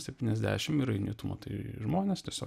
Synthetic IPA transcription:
sʲɛp̚ʲtʲiːnʲɛzʲd̪ʲæ̰ːʃʲɪmiɾɐɪnʲḭːt̪ʊmo̰t̪ɐɪʒmoːnʲest̪ʲiɛsʲoː

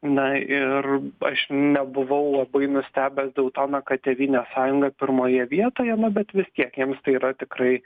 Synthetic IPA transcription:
nɐɪrɐʃnʲɛbʊʋɐʊlˠɐbɐɪnʊsʲt̪ʲæːbʲɛsd̪ɐʊt̪oːnɐkɐt̪ʲɛʋʲiːnʲɛːsɑːjʊŋɡɐpʲɪɾmoːjɛʋʲiɛt̪oːjɛnʊbʲɛt̪ʋʲɪst̪ʲiɛkjiɛmst̪ɐɪiːɾɐt̪ʲɪkɾɐɪ

